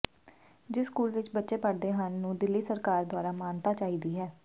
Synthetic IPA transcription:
d͡ʒɪskuːlʋɪt͡ʃbətːʃeːpəɽd̪eːɦənːũːd̪ɪlːiːsəɾkaːɾd̪ʊaːɾaːmaːnt̪aːt͡ʃaːɦiːd̪iːɦɛː

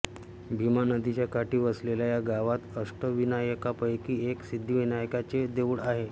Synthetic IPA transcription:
bʱimanəd̪ʱit͡ɕjakaʈiːʋəslelajaɡaʋat̪əʂʈəʋinajəkapəjkiːeksid̪ʱːiʋinajəkat͡ɕed̪eʋuɽaɦe

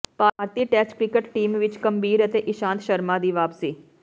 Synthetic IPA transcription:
paːɾt̪iːʈɛːt͡ʃkɾɪkəʈʈiːmʋɪt͡ʃkəmbiːɾət̪eːʔɪʃãːnt̪ʃəɾmaːd̪iːʋaːpsiː

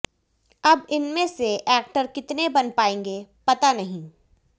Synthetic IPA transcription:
ɐbɪnmẽseʔɛːk̚ʈəɾkɪt̪nebɐnpaːẽːŋɡepɐt̪anɐɦĩː

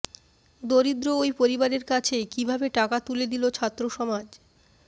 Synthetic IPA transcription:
d̪oɾid̪ɾoojpoɾibaɾeɾkat͡ɕʰekibʱabeʈakat̪uled̪ilot͡ɕʰat̪ːɾoʃɔmad͡ʑ

